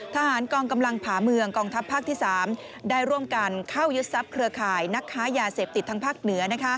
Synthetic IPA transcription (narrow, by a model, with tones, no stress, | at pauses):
t̪ʰa˧haː˩˦nkɔː˧ŋka˧mla˧ŋpʰaː˩˦mɯ˧əŋkɔː˧ŋt̪ʰa˦˥pʰːaː˥k̚t̪ʰiː˥˩saː˩˦m | daː˥˧˩jɾu˥˩əmka˧nkʰa˥˩wju˦˥t̪̚sa˦˥p̚kʰɾɯ˧ɐkʰaː˨˩jna˦˥kʰːaː˦˥jaː˧seː˨˩p̚t̪i˨˩t̪ːʰa˧ŋpʰaː˥˩k̚nɯ˩˦ɐna˦˥kʰa˦˥